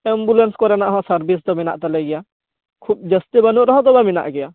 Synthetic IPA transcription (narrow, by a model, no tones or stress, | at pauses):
ɛmbulenskɔɾɛnaʔɦɔ̃səɾbisd̪ɔmina̰ʔt̪ɛlɛɡɛja | kʰup̚d͡ʒəst̪ibənuʔɾɔɦɔ̃d̪ɔbamina̰ʔɡɛja